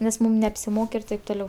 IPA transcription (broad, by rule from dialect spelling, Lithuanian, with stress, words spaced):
nʲɛs ˈmuːm nʲɛɐpʲsʲɪˈmoːk ɪr ˈtɐɪp toːˈlʲɛʊ